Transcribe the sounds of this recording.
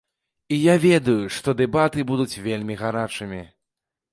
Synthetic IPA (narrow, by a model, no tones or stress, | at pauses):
ijavʲɛd̪ujuʂt̪ɔd̪ɛbat̪ɨbud̪ut͡sʲvʲelʲmʲiɣaɾat͡ʂɨmʲi